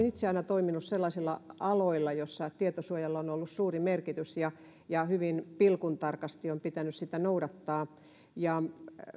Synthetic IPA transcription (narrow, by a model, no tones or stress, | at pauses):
nit̪seɑinɑt̪oiminusselːɑisilːɑ̰ɑloilːˑɑjosːɑt̪iet̪osuojɑlːonolːussuːrimerkit̪ysjɑ | jɑhyʋinpilkunt̪ɑrkɑst̪iompit̪ænyssit̪ænouɾɑt̪ːɑː | jɑ